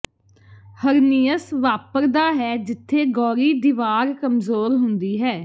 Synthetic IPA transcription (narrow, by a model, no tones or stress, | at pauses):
həɾniːəsʋaːpəɾd̪aːɦɛːd͡ʒɪt̪ʰːeːɡɔːɾiːd̪ɪʋaːɾkəmzoːɾɦʊnd̪iːɦɛː